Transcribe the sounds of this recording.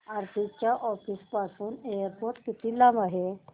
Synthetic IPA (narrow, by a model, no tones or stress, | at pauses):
aɾt̪ʰit͡ɕjaʔɔfispasuːnejəɾpoɾʈkit̪ilamaɦe